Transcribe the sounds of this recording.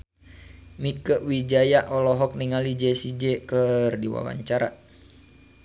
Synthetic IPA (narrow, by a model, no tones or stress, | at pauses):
mikəʔwid͡ʒajaʔɔlɔɦɔk̚niŋalid͡ʒɛsid͡ʒɛkərdiwa̰wa̰ɲt͡ʃaɾa